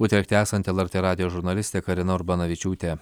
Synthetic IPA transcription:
ʊt̪ʲɛk̚ʲt̪ʲɪæːsɐnt̪ʲɛlˠɛɾʲt̪ʲeːɾɑːd̪ʲɪjoːʒʊɾnɐlʲɪst̪ʲeːkɐɾʲɪnɐʊɾbɐnɐʋʲɪt͡ʃʲuːt̪ʲeː

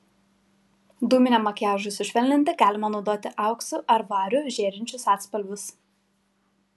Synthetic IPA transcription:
d̪uːmʲɪnʲɛːmɐkʲjæːʒʊsʲɪʃʲʋʲɛlʲnʲɪnʲt̪ʲɪɡɑːlʲɪmɐnɔʊd̪oːt̪ʲɪʔɑˑʊksʊʔɐɾʋɑːɾʲʊʒʲeːɾʲɪnʲt͡ʃʲʊsɑːt̪spɐlʲbʲʊs

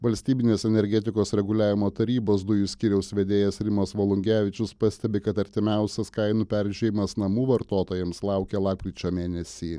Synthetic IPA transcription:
ʋɐlʲsʲt̪ʲiːbʲɪnʲeːsɛnʲɛɾʲɡʲɛt̪ʲɪkoːsɾʲɛɡʊlʲæːʋʲɪmoːt̪ɐɾʲiːboːsd̪ʊjʊsʲkʲiːɾʲɛʊsʲʋʲɛd̪ʲeːjɛsɾʲɪmɐsʋolˠʊŋʲɡʲæːʋʲɪt͡ʃʲʊspɐsʲt̪ʲɛbʲɪkɐt̪ɐɾʲt̪ʲɪmʲæˑʊsʲɛskɐɪnuːpʲæɾʲʒʲɛjʲɪmɐsnɐmuːʋɐɾt̪oːt̪oːjɛmslˠɑˑʊkʲɛːlˠɑːp̚kʲɾʲiːt͡ʃʲoːmʲeːnʲɛsʲiː

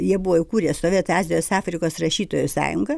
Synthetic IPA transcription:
jiɛbʊʋoːɪkuːɾʲiɛtst̪oːʋʲeːt̪ɑːzʲɪjoːsɑːfʲɾʲɪkoːsrɐʃʲiːt̪oːjʊsɑ̰ːjʊŋɡɐ

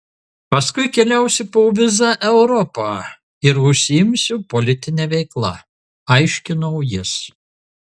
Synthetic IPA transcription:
pɐskʊɪkʲɛlʲæˑʊsʲɪpoʋʲɪzɑʔɛʊɾɔpɑː | ɪɾʊʃʲsʲɪɪmʲsʲʊpɔlʲɪt̪ʲɪnʲɛʋʲɛɪklˠɐ̰ | ɐɪʃʲkʲɪnɔʊjɪs

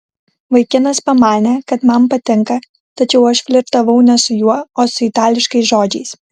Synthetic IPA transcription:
ʋɐɪkʲɪnɐspɐmɑːnʲɛkɐt̪mɐmpɐt̪ʲɪŋkɐ | t̪ɐt͡ʃʲɛʊɐʃfʲlʲɪɾt̪ɐʋɐʊnʲɛsʊjuɔoːsʊɪt̪ɑːlʲɪʃkɐɪsʒoːd͡ʒʲɛɪs

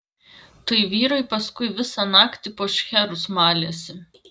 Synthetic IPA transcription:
t̪ɐɪʋʲiːɾɐɪpɐskʊɪʋʲɪsɑnɑːkt̪ʲɪpoːʃʲxʲɛɾʊsmɑːlʲeːsʲɪ

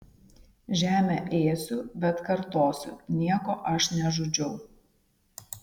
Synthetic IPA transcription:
ʒʲæːmʲɛˑʔeːsʲʊbʲɛt̪kɐɾt̪oːsʲʊ̰nʲiɛkoːʔɐʃnʲɛʒʊd͡ʒʲɛʊ

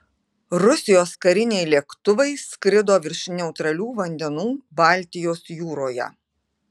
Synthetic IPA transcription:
ɾʊsʲɪjoːskɐɾʲɪnʲɛɪlʲiɛkt̪ʊʋɐɪsʲkɾʲɪd̪oːʋʲɪɾʲʃʲnʲɛʊt̪ɾɐlʲuːʋɐnʲd̪ʲɛnuːbɑˑlʲt̪ʲɪjoːsjuːɾoːjɛ̰

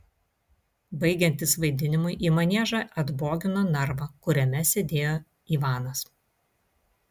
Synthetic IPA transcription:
bɐɪɡʲɛnʲt̪ʲɪsʋɐɪd̪ʲɪnʲɪmʊɪʔiːmɐnʲeːʒɐʔɐd̪boːɡʲɪnoːnɐɾʋɐkʊɾʲɛmʲɛsʲeːd̪ʲeːjoː | iːʋɑːnɐs

